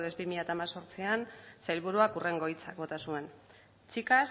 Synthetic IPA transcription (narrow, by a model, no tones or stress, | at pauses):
ðezbimiʎat̪amaso̞ɾt͡siansajlβ̞uɾuakure̞ŋɡo̞jt͡sak̚bo̞t̪asue̞n | t͡ʃikas